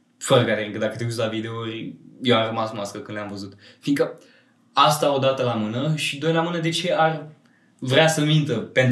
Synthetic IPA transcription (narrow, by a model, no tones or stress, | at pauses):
fəɾəɡad̪efiŋkəd̪akət̪euslavid̪e̞urʲjewamrəmasmaskəkɨnd̪leamvəzut̪ | fiŋkə | ast̪ao̞d̪at̪əlamɨnəʃid̪ojlamɨnəd̪e̞t͡ʃe̞arʲ | vɾʲeasəmint̪əpen